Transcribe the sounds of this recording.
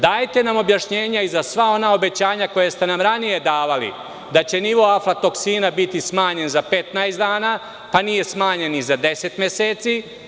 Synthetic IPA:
d̪aːjt̪e̞namo̞bjaʃɲe̞ːɲaizasʋao̞nao̞be̞t͡ɕaːɲako̞jest̪e̞namɾanije̞d̪aːʋalḭ | d̪at͡ɕe̞niʋo̞aflat̪o̞ksiːnabit̪ismaːɲe̞nzape̞t̪najzd̪aːnaː | panije̞smaːɲe̞nizad̪e̞se̞t̪mjeseːt̪si

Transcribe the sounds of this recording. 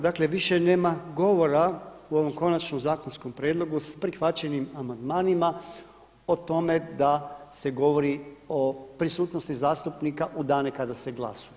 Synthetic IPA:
d̪akle̞ʋiʃene̞ːmaɡo̞ʋo̞ɾauo̞ʋo̞mko̞nat͡ʃnomzaːko̞nsko̞mpɾjed̪lˠo̞ɡuspɾixʋat͡ɕenimamand̪maːnima | o̞t̪o̞me̞d̪ase̞ɡo̞ʋo̞ɾiopɾisuːt̪no̞st̪izaːst̪upnikaʔud̪aːnekad̪ase̞ɡla̰suje

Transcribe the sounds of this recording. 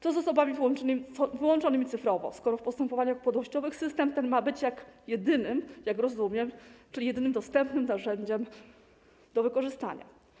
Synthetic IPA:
t̪ɔzɔsɔbamʲivwɔnt͡ʂɔnɘmvɘwɔnt͡ʂɔnɘmʲit̪sɘfɾɔvɔ̰skɔɾɔfpɔst̪ɛmpɔvaɲaxpɔd̪wɔɕt͡ɕɔvɘxsɘst̪ɛmt̪ɛnmabɘt͡ɕjakjɛd̪ɘnɘmjakɾɔzumʲjɛmt͡ʂɘijɛd̪ɘnɘmd̪ɔst̪ɛmpnɘmnaʐɛɲd͡ʑɛm | d̪̥ɔvɘkɔʐɘst̪a̰ɲa̰

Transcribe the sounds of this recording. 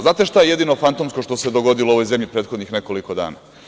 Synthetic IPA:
znaːt̪e̞ʃt̪ajeje̞d̪inofant̪omsko̞ʃt̪o̞se̞d̪o̞ɡo̞d̪iloo̞ʋo̞jze̞mʎipɾet̪xo̞d̪nixne̞ko̞liko̞d̪a̰ːna̰ː

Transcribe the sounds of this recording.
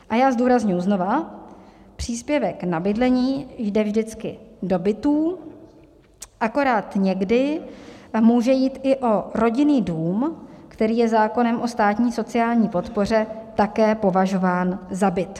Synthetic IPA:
ʔajaːzduːɾazɲujuzno̞va | pr̥iːspjɛvɛknabɪdlɛɲiːjdɛvʒdɪt͡skɪdo̞bɪt̪uː | ʔako̞ɾaːt̪ɲɛɡdɪ | muːʒɛjiːt̪ʔɪʔo̞ɾo̞ɟɪniːduːmkt̪ɛɾiːjɛzaːko̞nɛmʔo̞st̪aːt̪ɲiːso̞t͡sɪaːlɲiːpo̞t̪po̞r̝ɛt̪akɛːpo̞vaʒo̞vaːnzabɪt̪

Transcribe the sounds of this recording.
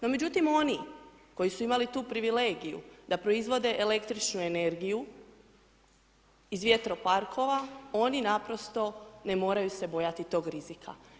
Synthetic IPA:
no̞me̞d͡ʑut̪imo̞ni | ko̞jisuimalit̪uːpɾiʋile̞ːɡijṵd̪apɾo̞izʋo̞d̪e̞ʔele̞kt̪ɾit͡ʃnue̞ne̞ɾɡiju | izʋje̞t̪ɾo̞paɾkʰo̞ʋao̞ninapɾo̞st̪o̞ne̞mo̞ːɾajuse̞bo̞jat̪it̪o̞ːɡɾizikʰa̰

